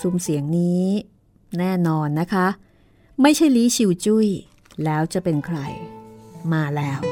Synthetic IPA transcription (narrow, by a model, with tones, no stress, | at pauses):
su˧msi˨˩˦əŋniː˦˥ | nɛː˥˩nɔː˧nːa˦˥kʰa˦˥ʔ | ma˥˩jt͡ɕʰa˥˩jliː˦˥t͡ɕʰi˧wt͡ɕu˥˩j | lɛː˦˥wt͡ɕa˨˩pe˧nkʰɾa̰˧jmaː˧lɛː˦˥w